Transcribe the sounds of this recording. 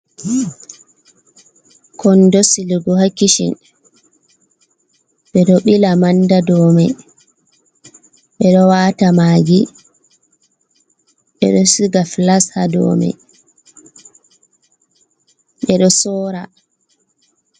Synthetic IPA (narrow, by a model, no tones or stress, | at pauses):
kʰɔndɔsiliɡɔhakːiʃḭn | ɓɛɗɔɓilamandadɔːmɛ | ɓɛɗɔwaːtamaːɡi | ɓɛ̰ɗɔsiɡaflashadɔ̰ːmɛ̰ | ɓɛɗɔsɔːɾa̰